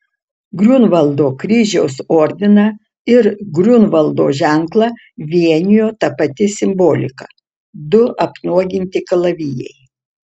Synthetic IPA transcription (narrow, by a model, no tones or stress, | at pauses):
ɡɾʲunʋɐlˠd̪oːkɾʲiːʒʲɛʊsoːɾʲd̪ʲɪnɐ | ɪɾɡɾʲʊnʋɐlˠd̪oːʒʲɛŋklˠɐ | ʋʲiɛnʲɪjoːt̪ɐpɐt̪ʲɪsʲɪmboːlʲɪ̰kɐ̰ | d̪ʊʔɐpnuɔɡʲɪnʲt̪ʲɪkɐlˠɐʋʲiːjɛ̰ɪ